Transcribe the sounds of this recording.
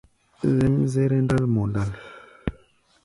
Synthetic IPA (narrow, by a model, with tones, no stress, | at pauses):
zɛ˦mze˦ɾɛ˦n˦da˦lmɔ˨nda˦˨l